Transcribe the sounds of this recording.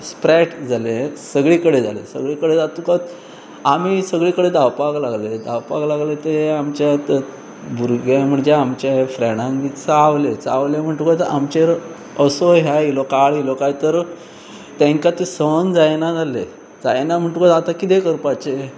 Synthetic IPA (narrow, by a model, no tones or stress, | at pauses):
spɾɛʈd͡zʱalesəɡɭikəɽed͡za̰lḛsə̰ɡɭikəɽed͡zat̪ukat̪ | amisəɡɭikəɽed̪awpaklaɡled̪a̰wpa̰klaɡlet̪eamt͡ɕjat̪ | bʱuɾɡjam̤əɳd͡zeamt͡ɕafɾɛɽ̃ãŋɡit͡saʋlet͡sa̰ʋlem̤əɳʈukat̪a̰mt͡ɕeɾ | əsoɦjajilɔkaɭjilɔkajt̪əɾ | t̪ẽŋkat̪isənd͡zajnad͡zʱalḛ | d͡zajnam̤əɳʈukaat̪akit̪ekəɾpat͡ɕe